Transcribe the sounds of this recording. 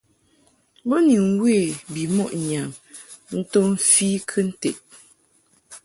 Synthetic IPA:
bɔ˦ni˨ŋ˦we˦˨bi˨mɔ˦ʔɲa˨m | n̩˦to˦m̩˦fiː˦kʰɨ˦n̩˦te˨t̚

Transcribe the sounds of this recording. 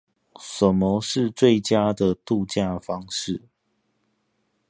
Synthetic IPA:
sə˨˩mɔ˨˦ʂɻ̩˥˨˧t͡swe˥˨ɪt͡ɕja˦d̪ə˨t̪u˥˧t͡ɕja˥˧fɑ˦ŋʂɻ̩˥˨

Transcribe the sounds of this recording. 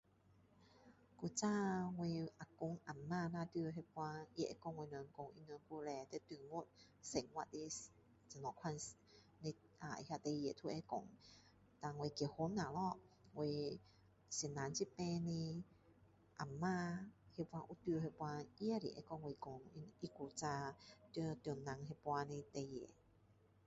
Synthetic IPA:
ku˧t͡sa˧ŋwe˧ʔa˨ku˧˨ŋʔa˨˩mːaː˧nã˧t̪i˧ɦe˧pwã˧i˧˨ʔɛ̰˧˦kɔ˧ŋwe˧nə˨ŋko˧˨ŋʔḭ˧nə˧˨ŋku˧lɛ˧t̪ɛ˧˦t̪u˧˨ŋo˦˨t̚ | se˨ŋwa˧˨te˧˦ | t͡sa˨nɔ˧˨kʰwa˧ns | ne˧ | a˨ḭ˧ha˧t̪e˧je˨t̪ʰu˧ʔɛ˧˦kɔ̰˨ŋ | t̪a˧ŋwe˧ki˧˨ho˧˦na˨lɔ˧we˧ | si˨na˨˧˦nt͡ɕi˦pɛ̃˧nĩ˧ | ʔa˨˩mːaː˧he˧pwa˧ʔu˧˦t̪u˧he˧pwa˧ʔi˧˦a˧˨ɾḭ˨ʔɛ̰˧˦kɔ˧˨ŋwe˧kɔ˧ŋi˧ʔi˧˦ku˧t͡sa˧t̪u˧t̪jɔ˨˩nːã˧ŋɦe˧pwa˧nẽ˧t̪e˧je˨

